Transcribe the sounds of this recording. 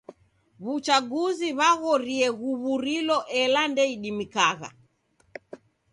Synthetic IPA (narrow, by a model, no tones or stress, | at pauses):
βut͡ʃaɡuziβaɣɔɾiɛɣuβuɾilɔʔɛlandɛiɗimikaɣa̰